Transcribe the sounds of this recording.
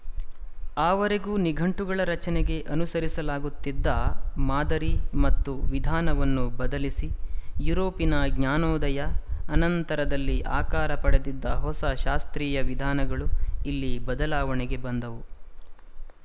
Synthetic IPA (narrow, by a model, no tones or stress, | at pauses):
aːʋɐɾeɡuːniɡʱɐɳʈuɡɐɭɐɾɐt͡ʃɐneɡe̞ʔɐnusɐɾisɐlaːɡut̪ːid̪ːaːmaːd̪ɐɾimɐt̪ːuʋid̪ʱaːnɐʋɐnːubɐd̪ɐlisijuːɾoːpinɐɡɲaːnɔːd̪ɐjɐːnɐnt̪ɐɾɐd̪ɐlːiʔaːkaːɾɐpɐɽed̪id̪ːɐɦɔsɐʃaːst̪ɾiːjɐʋid̪ʱaːnɐɡɐɭuilːibɐd̪ɐlaːʋɐɳɛɡe̞bɐnd̪ɐʋu